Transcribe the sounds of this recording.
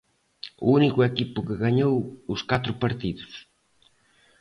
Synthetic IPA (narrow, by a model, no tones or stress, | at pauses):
ṵunikʊɛkipʊkɪɣaɲowʊskat̪ɾʊpaɾt̪iðʊs